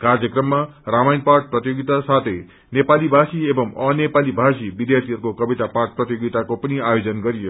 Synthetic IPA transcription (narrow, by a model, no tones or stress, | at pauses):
kard͡zjʌkrʌmːaramajnparʈ̚prʌt̪joɡit̪asat̪ʰʌj | nepalibʱasiebʌmʌnepalibʱasibid̪jart̪ʰiʌɾukokʌbit̪aparʈ̚prʌt̪joɡit̪akopʌniajod͡zʌnɡʌɾijo